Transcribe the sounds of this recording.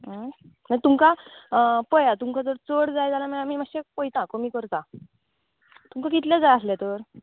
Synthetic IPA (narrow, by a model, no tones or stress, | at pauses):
mat̪umkã | pəjat̪umkad͡zəɾt͡səɽd͡zajd͡zalamãamiːmaɕepəjt̪ãkɔmiːkəɾt̪a | t̪umkãkit̪lãd͡zajaslɛ̃t̪əɾ